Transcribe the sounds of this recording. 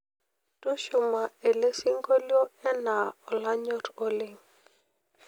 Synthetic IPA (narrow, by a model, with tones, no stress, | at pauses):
to˦ʃʊ˨ma˨e˨le˦sɪ˦ŋɡo˦ljo˦ɛ˦na˨ɔ˨la˦ɲɔ˦ɾo˦lɪ˨ŋ